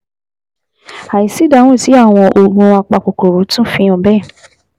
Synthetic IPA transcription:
a˨i˨si˨˦da˨˦˨wɔ̃˦˨ti˨˦a˦˨w̃ɔ̃˧ʔo˧ɡ͡bũ˧a˧k͡pa˧˨k͡po˨ko˨ɾo˨˦tũ˦fĩ˧ɔ̃˨bɛ˦˨

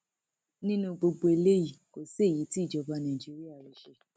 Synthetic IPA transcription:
nĩ˦nũ˧ɡ͡bo˧ɡ͡bo˧e˧le˦ji˦˨ko˨se˦˨ji˨˦ti˦i˦˨d͡ʒɔ˧ba˧nã˨d͡ʒi˨˦ɾi˦a˦˨ɾi˨˦ʃe˧

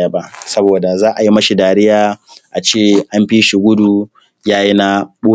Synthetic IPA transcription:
ja˨ba˦sɐ˦boː˨da˨zaː˦ʔa˨ji˦mɐ˦ʃi˨daː˨ɽɪ˦jaː˨ʔa˨t͡ʃeː˦˨ʔa˦mɸiː˦ʃi˨ɡʷʊ˦du˨ | jaː˦ji˦na˦ɓoː˦

